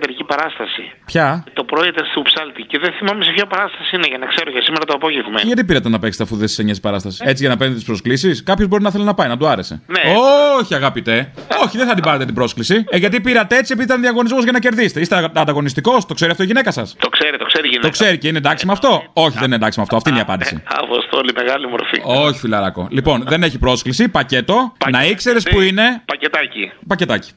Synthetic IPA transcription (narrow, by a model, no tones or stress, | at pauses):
t̪eɾicipɐɾɐst̪ɐsipçɐt̪o̞pɾoet̪est̪upsɐlt̪iceðenθimɐmesepçɐpɐɾɐst̪ɐsiineʝɐnɐkse̞ɾocesimeɾɐt̪oɐpo̞ʝevmḛʝɐt̪ipiɾɐt̪enɐpekse̥t̪eɐfuðesi̥seɲɐsi̥pɐɾɐst̪ɐsi̥set͡siʝɐnɐpe̞nd̪et̪ispɾo̞sklisiskɐpço̞zboinɐθe̞lenɐpɐjnɐd̪uɐɾe̞se̞̰neoçiɐɣɐpit̪e̞o̞çiðeθɐt̪ibɐɾet̪et̪ibɾo̞sklisiʝɐt̪ipiɾɐt̪ee̞t͡sie̞piðit̪ɐnðiɐɣo̞nizmozʝɐnɐce̞ɾðise̥t̪eist̪eɐnd̪ɐɣo̞nist̪iko̞st̪okse̞ɾiɐft̪oiʝine̞kɐsɐ̰st̪okseɾit̪okseɾiʝint̪okse̞ɾiceinend̪ɐksimɐft̪o̞o̞çiðe̞nined̪ɐksimɐft̪oɐft̪iniɐpɐ̰nd̪isḭɐ̰po̰st̪olimeɣɐlimo̰ɾfḭoçi̥filɐɾɐ̰ko̞̰lipo̞nðe̞ne̞çipɾo̞sklisipɐce̞t̪o̞nɐikse̞ɾespuine̞pɐcet̪ɐcipɐce̞t̪ɐci̥